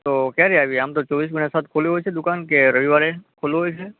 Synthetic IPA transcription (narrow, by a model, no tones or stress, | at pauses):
t̪okjaɾiaʋieamt̪ot͡ʃɔʋis̬ɡunasat̪̚ʰkʰoluɦojt͡ʃʰed̪ukankeɾəʋiʋaɾekʰoluɦojt͡ʃʰe